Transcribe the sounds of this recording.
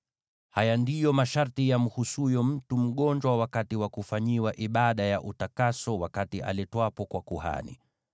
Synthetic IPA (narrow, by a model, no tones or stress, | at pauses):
hajandijɔmaʃaɾtijam̩husujɔm̩tum̩ɠɔɲd͡ʒwawakatiwakufaɲiwaʔiɓaɗajaʔutakasɔwakatiʔa̰lɛtwapɔkwakuha̰nḭ